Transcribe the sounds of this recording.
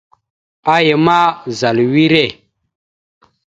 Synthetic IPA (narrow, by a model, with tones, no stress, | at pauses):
a˦je˨ma˦za˨lwi˦ɾe˦˨